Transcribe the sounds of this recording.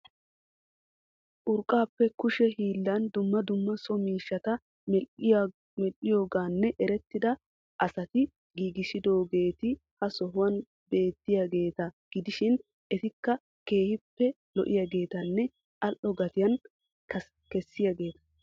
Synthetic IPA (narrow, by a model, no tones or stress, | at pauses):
ʔʊɾkʼaːpːɛkʊʃɛɦiːlːɐnd̪ʊmːɐd̪ʊmːɐsɔmiːʃːɐt̪ɐ | m | mɛlːɪjo̞ːɡaːnːɛʔɛɾɛt̪ːɪd̪ɐ | ʔɐsɐt̪ɪ | ɡiːɡɪʃɪd̪o̞ːɡe̞ːt̪ɪ | hɐsɔɦʊwɐn | be̞ːt̪ːɪjaːɡe̞ːt̪ɐɡ̥ɪd̪ɪʃɪn | ɛt̪ɪkːɐ | ke̞ːhɪpːɛ | lɔ̰ʔɪ̰jaːɡe̞ːt̪ɐnːɛ | ʔɐlʔːɔɡɐt̪ɪjɐn | kɐ | kɛsːɪjaːɡe̞ːt̪ɐ̥